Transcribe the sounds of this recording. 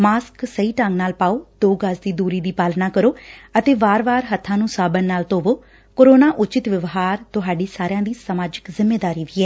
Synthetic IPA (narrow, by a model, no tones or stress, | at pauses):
maːsksəiːʈəŋɡnaːlpaːoːd̪oːɡəsd̪iːd̪uːɾiːd̪iːpaːlnaːkəɾoːət̪eːʋaːɾʋaːɾɦət̪ʰːãːnũːsaːbənːaːlt̪oːʋoː | koːɾoːnaːʔʊt͡ʃɪt̪ʋəʋɦaːɾt̪ʊɦaːɖiːsaːɾjãːd̪iːsəmaːd͡ʒəkzɪmːeːd̪aːɾiːʋiːɛː